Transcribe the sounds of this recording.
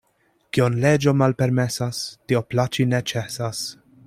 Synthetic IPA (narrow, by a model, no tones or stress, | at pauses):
kionled͡ʒomalpɛɾmɛsast̪ioplat͡ʃinɛt͡ʃɛsas